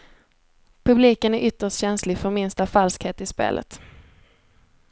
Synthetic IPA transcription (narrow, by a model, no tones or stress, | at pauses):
pʰɵbliːkənæɾʔʏt̪ːəʂtɕɛnslɪfœɾmɪnst̪afalskheːt̪ɪspḛːlʔə̰t̪